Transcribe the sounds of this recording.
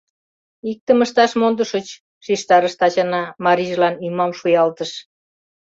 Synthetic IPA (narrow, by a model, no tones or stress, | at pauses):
ik̚t̪əməʃt̪ɑʃmond̪əʃət͡ɕ | ʃiʃt̪ɑɾəʃt̪ɑt͡ɕɑnɑmɑɾiʒlɑnimɑmʃujɑlt̪əʃ